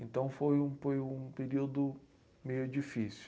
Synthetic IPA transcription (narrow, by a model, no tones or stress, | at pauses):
ẽnt̪ɐ̃w̃fojũfojũpeɾiwd̪ʊ | mejʊd͡ʒifisju